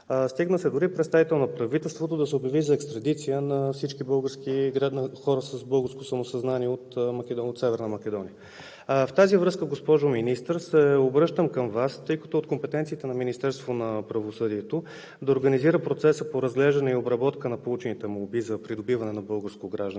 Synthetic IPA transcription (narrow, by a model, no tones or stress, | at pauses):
st̪iɡnəsɛd̪ʊɾipɾɛt̪st̪avit̪ɛlˠnɐpɾɐvit̪ɛlˠst̪vot̪od̪ɐsɛobjɐvizɐɛkst̪ɾɐd̪it̪sijənɐfsit͡ʃkibɤlˠɡəɾskiɡɾanɐxɔɾəsəzbɤlˠɡəɾskosɐmosɐznaniɛot̪mɐkɛot̪sɛvɛɾnəmɐkɛd̪ɔnḭjə | ft̪azivɾɤskəɡospɔʒʊminist̪ɾsɛobɾɤʃt̪əmkəmvast̪ɤjkə̥t̪ʊot̪kompɛt̪ɛnt̪siːt̪ɛnɐminist̪ɛɾst̪vonɐpɾɐvosɤd̪iɛt̪o | d̪ɐoɾɡəniziɾəpɾot̪sɛsəpoɾɐzɡlɛʒd̪ɐnɛiobɾɐbɔt̪kənɐpolˠut͡ʃɛnit̪ɛmolˠbizɐpɾid̪obivɐnɛnɐbɤlˠɡəɾskoɡɾaʒd̪n